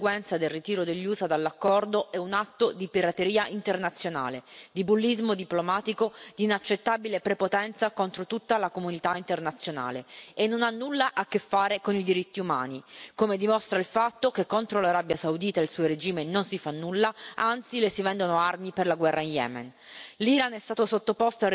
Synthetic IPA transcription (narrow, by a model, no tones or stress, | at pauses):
ɡwɛnt̪sad̪elrit̪iːɾod̪eʎːuːzad̪alːakːɔrd̪oɛunat̪ːod̪ipiɾat̪eɾiːaʔint̪ernat̪sːjona̰ːled̪ibulːizmod̪iplomaːt̪ikod̪iːnat͡ʃːet̪ːabilepɾepot̪ɛnt̪sakont̪ɾot̪ut̪ːalakomunit̪aint̪ernat̪sːjona̰ːleenːonanːulːaʔakːefːaːɾekonid̪iɾit̪ːiuma̰ːnikomed̪imost̪ɾailfat̪ːokekːont̪ɾolaɾabjasaud̪iːt̪ailsuːoɾed͡ʒiːmenonsifanːulːaʔant̪silesivɛnd̪onoarmiperlaɡwɛrːainjɛ̰ːmɛ̰n | liːɾanɛst̪aːt̪osot̪ːopost̪oa